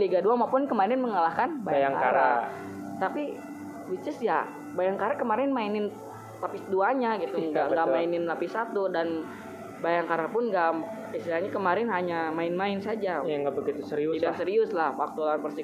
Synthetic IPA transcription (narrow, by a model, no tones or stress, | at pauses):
liɡaduamapʊnkəmaɾɛnməŋalahkanbajajaaŋka̰a̰ɾa̰ | t̪api | wit͡ʃəsja̰ | bajaŋkaɾakəmaɾɛnmainɪn | lapɪsduaɲaɡit̪uŋɡamɡaʔmainɪnlapɪsat̪udan | bajaŋkaɾapʊnɡa | isilaɲakəmaɾɛnɦaɲamaɪnmaɪnsad͡ʒajaŋɡabəɡit̪usəɾiʊit̪asəɾiʊslahwak̚t̪ularpərsi